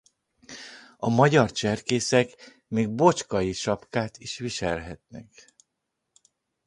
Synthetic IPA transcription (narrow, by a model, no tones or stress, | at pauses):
ɒmɒɟɒrt͡ʃɛrkeːsɛk | meːɡ̚bo̞t͡ʃkɒjiʃɒpkaːt̪iʃʋiʃɛlɦɛt̪nɛk